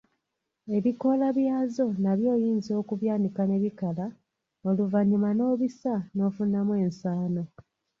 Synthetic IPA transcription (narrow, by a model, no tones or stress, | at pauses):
e̞βiko̞laβjaːzo̞naβjo̞ːjiːnzio̞ːkuβjaːnikane̞βikala | oluvaɲimano̞ːβisano̞ːfunamwe̞ːnsaːno̞